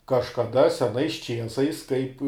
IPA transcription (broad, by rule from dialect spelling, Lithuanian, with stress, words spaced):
kɐʃkɐˈdɐ sʲɛˈnɐɪs ˈt͡ʃʲiɛsɐɪs kɐɪp